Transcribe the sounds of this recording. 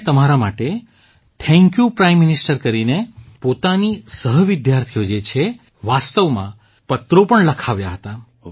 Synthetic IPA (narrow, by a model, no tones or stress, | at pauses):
t̪əmaɾamaʈe | t̪ʰɛ̃ŋkjupɾajmːɪnɪsʈəɾkəɾinepot̪anisəɦəʋɪd̪jaɾt̪ʰijod͡ʒet͡ʃʰe | ʋast̪əʋmã̰ | pət̪ɾopəɳləkʰaʋjaɦət̪a